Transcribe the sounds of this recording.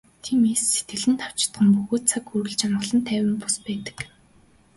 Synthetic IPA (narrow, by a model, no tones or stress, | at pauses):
t̪ʰiːmeːsːet̪ɡɘ̆ɮɘ̆nt̪ʰaw̥t͡ɕɪ̥̆t̪ɢə̆mpuɣoːt̪̚t͡sʰakxurɣɘ̆ɮt͡ɕanɢə̆ɮə̆nt̪ʰæːwʲɪ̆mpʊ̥spæːt̪ə̥̆k